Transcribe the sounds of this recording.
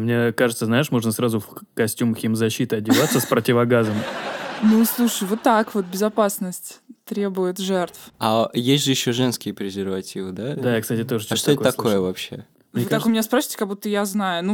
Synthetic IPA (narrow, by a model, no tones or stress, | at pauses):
mnʲekaʐɨt̪səznaɪʂmo̞ʐnəsɾazʊfkɐsʲtʲumxʲimzɐɕːit̪əɐdʲɪvat̪səspɾətʲɪvɐɡazəmnuslˠuʂəjvo̞t̪ːakvo̞t̪̚bʲɪzɐpasnəsʲtʲt̪ɾʲe̞bʊjɪt̪ʐɛrt̪fɐjesʲtʲʐɨjɪɕːoʐɛnskʲɪjəpʲɾʲɪzʲɪrvɐtʲivɨd̪ad̪ajakst̪atʲɪt̪oʐɨt͡ɕʂt̪ot̪ːɐkko̞jəvɐpɕːe̞̰ | vvɨt̪akʊmʲɪnʲaspɾasʲi̥tʲɪkɐɡ̚but̪ːəjaznajʊnu